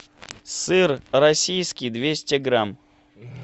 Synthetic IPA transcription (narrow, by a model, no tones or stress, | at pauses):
sɨrɾɐsʲijskʲɪjd̪vʲesʲtʲɪɡɾam